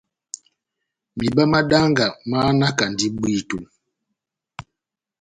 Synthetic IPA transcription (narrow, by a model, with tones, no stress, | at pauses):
mi˨ba˦ma˦da˦ŋɡa˨ma˦na˦ka˨n˨di˦ɓi˦tu˨